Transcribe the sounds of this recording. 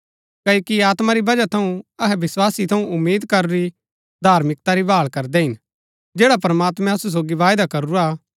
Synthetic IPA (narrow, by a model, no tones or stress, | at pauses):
kɐːjːkiaːt̪maɾibɐd͡ʒat̪ʰɐũɐɦɛʋɪswaːsit̪ʰɐũʊmːeːd̪kɐɾoɾi | d̪ʱaːɾmɪk̚t̪aɾibaːɭkɐɾd̪ɛɦɪn | d͡ʒeːɽapɾmaːt̪mɛ̃ɐsus̬oːɡiʋaːjd̪akɐɾuɾaː